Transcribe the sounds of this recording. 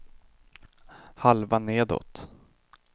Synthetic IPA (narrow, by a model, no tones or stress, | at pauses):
halvaneːd̪ɔ̰t̪